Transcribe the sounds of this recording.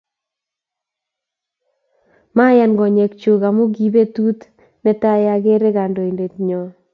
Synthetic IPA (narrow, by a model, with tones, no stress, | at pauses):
ma˦ja˨nɡɔ˨ɲɛ˨kt͡ʃo˨ɣa˨mu˦ɡi˨be˦tu˦t̪ | nɛ˦ta˦ja˨ɣe˦ɾe˦ɣa˨ndo˨i˨nde˨tɲɔ˨